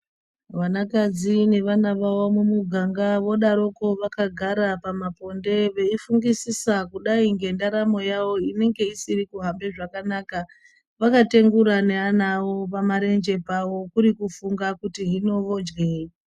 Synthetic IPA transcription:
ʋanakad͡zine̞ʋanaʋawomumuɡʱaŋɡaʋo̞ɗaɾo̞ko̞ʋakaɡʱaɾapamapo̞nde̞ʋe̞ifuŋɡisisakuɗaiŋɡe̞ndaɾamo̞jawo̞ine̞ŋɡe̞isirikuɦambe̞ʐakanaːka | ʋakate̞ŋɡuɾane̞anawo̞pamaɾe̞nd͡ʒe̞pawo̞kuɾikufuŋɡakutiɦino̞ʋo̞d͡ʒɡeːi

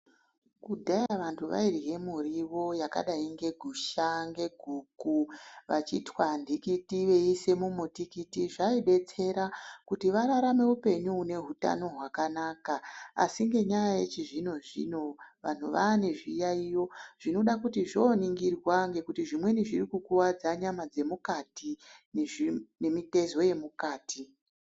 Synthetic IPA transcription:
kudʱajaʋantʰuʋa̰iriɦe̞muriʋo̞jaka̰ɗaiŋɡe̞ɡʱuʃaŋɡe̞ɡʱuːkuʋat͡ʃitwandʱikitiʋe̞ise̞mumutikitiʐaiɓe̞t͡se̞ɾakutiʋaɾaɾame̞upe̞ɲuune̞ɦuta̰no̞ɦwakanaːkaa̰siŋɡe̞ɲajajet͡ʃiʐino̞ʐḭno̞ʋa̰n̤uʋaːne̞ʐijaijo̞ʐ̥ino̞ɗakutiʐoniŋɡirwaŋɡe̞kutiʐimwe̞niʐirikukuwad͡zaɲamad͡ze̞mukatinne̞mite̞zo̞je̞mukaːti

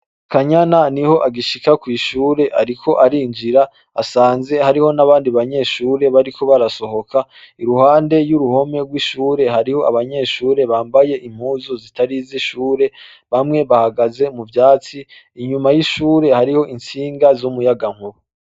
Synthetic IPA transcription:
kʰaɲananiho̞ʔaɡiʃikakwiːʃuːɾe̞ʔaɾikʰo̞ʔaɾiːnd͡ʒiɾa | asaːnze̞haɾiho̞naβaːndiβaɲe̞ʃuːɾe̞βaɾiko̞βaɾaso̞ho̞kʰa | iɾuhaːnde̞juɾuho̞me̞ɾɡwiʃuːɾe̞ɦaɾiho̞ʔa̰βaɲe̞ʃuːɾe̞βaːmbaje̞ʔim̥huːzozitʰaɾiziʃuːɾe̞ | βamŋe̞βahaɡaze̞muvjaːt͡siː | ɲumajiʃuːɾe̞haɾiho̞ʔint͡siːŋɡazumujaɡaŋ̥huɾu

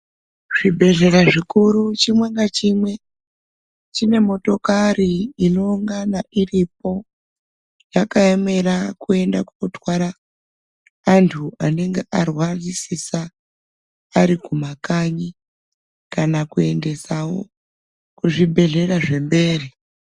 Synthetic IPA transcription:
ʐ̥ibʱe̞ɮe̞ɾaʐikuɾut͡ʃimwe̞ŋɡat͡ʃimwe̞ | t͡ʃine̞mo̞to̞kariːno̞uŋɡanaʔirip̚o̞ | jakaeme̞ɾakue̞ndakunotwaɾa | ntʰuane̞ŋɡeʔarwazisisaː | ɾikumakaɲi | kanakue̞nde̞sawo̞̰ | kuʐibʱe̞ɮe̞ɾaʐe̞mbe̞ːri

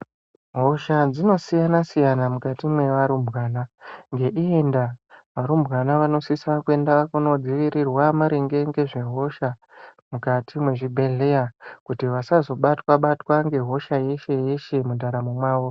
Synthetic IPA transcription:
ɦo̞ʃad͡zino̞sijanasijanamukatimwe̞ʋaɾumbʱɣaːnaŋɡe̞ʔie̞ndaʋaɾumbɣanaʋano̞sisakue̞ndakuno̞d͡ziʋiɾirwamaɾeŋɡe̞ŋɡe̞ʐe̞ɦo̞ʃa | mukatʰimwe̞ʐibʱe̞ɮe̞jakutiʋasazo̞ɓatwaɓatwaŋɡe̞ɦo̞ʃaje̞ʃe̞je̞ʃe̞mudʱaɾamumwaːʋo̞

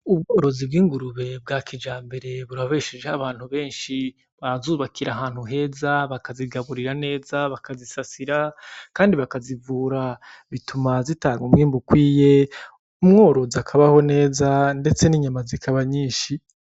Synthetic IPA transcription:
ub̚ɡo̞ːɾo̞zib̚ɡiːŋɡuɾuβe̞b̚ɡaːkʰid͡ʒaːmbe̞ɾe̞βuɾaβe̞ʃed͡ʒehaβaːn̥huβe̞ːnʃi | βaɾazuːβakʰiɾaɦaːn̥huɦe̞ːzaβakaziɡaβuɾiɾane̞ːzaβakazisasiɾakaːndiβakazivuːɾa | βitʰumazitaːɡomŋiːmbukwiːje̞ | umŋo̞ːɾoziakʰaβaho̞ne̞ːzande̞t͡se̞niɲamazikʰaβaɲiːnʃi

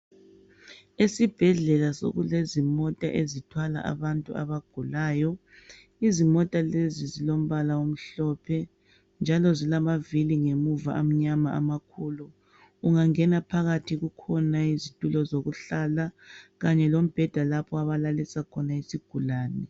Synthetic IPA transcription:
esib̥ʱɛɮɛlaso̰ɣulezimɔtʼa̰ʔezitʰwala̰ʔa̰βantʼṵa̰βaɡ̥ʱulaːjɔ | izimɔtʼalezizilom̩βalaum̩ɬɔpʰɛ | nd͡ʒʱalɔzilamaviliŋemuva̰ʔam̩ɲamaʔa̰makʰuluː | ŋaŋɛnapʰaɣatʰiɣukʰɔnaizitʼulɔzoɣuɬalaɣaɲɛlom̩b̥ʱɛd̥ʱalapʰɔaβalalisakʰɔnaisiɡ̥ʱulaːnɛ

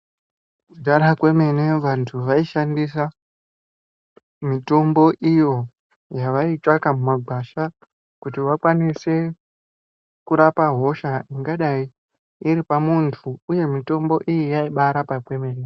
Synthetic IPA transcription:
kudaɾakwe̞me̞neʋantʰuʋaiʃandisa | mito̞mbo̞ʔijo̞ | jaʋait͡ʃakamumaɡʱaʃa | kutiʋakwanise̞ | kuɾapaɦo̞ʃaiŋɡaɗai | iɾipamuntʰuuje̞mito̞mbo̞ʔijijaiɓaɾapakwe̞me̞ːne

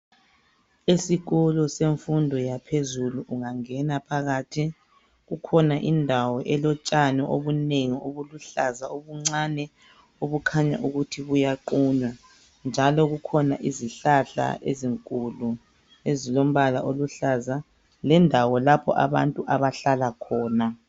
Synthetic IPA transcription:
esiɣɔlɔseɱfundʱɔjapʰezuluʔuŋaŋɛnapʰaɣatʰi | ɣukʰɔnaʔindʱawɔʔɛlɔt͡ʃʼanɛʔoβuneŋioβuluɬazaoβuŋ͡ǀanɛ | oβukʰaɲa̰ʔuɣutʰiβujaǃuːɲa | nd͡ʒʱalɔɣukʰɔna̰ʔiziɬaɬa̰ḛziŋkʼulu | ezilom̩βalaʔoluɬaza | lɛndʱawɔlapʰɔ̰ʔa̰βa̰ntʼuʔaβaɬalakʰɔːna

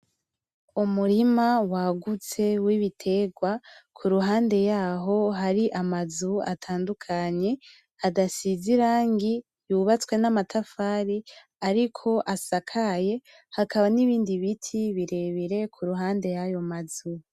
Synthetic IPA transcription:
umuɾimawaɡut͡se̞wiβitʰe̞ɡwakʰuɾuɦaːnde̞jaːɦo̞ɦaɾiʔamazuatʰaːndukʰaɲe̞ | adasiziɾaːŋɡi | juβat͡swe̞namatʰafaːɾi | aɾikʰo̞ʔasakʰaje̞ | hakaβaniβiːndiβitʰiβiɾe̞βiɾe̞kʰuɾuɦaːnde̞jajo̞mazu

